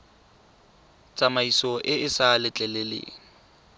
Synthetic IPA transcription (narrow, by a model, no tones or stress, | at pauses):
t͡sʼamaisɔʔɪɪsalɪt͡ɬʼɛlelḛːŋ̩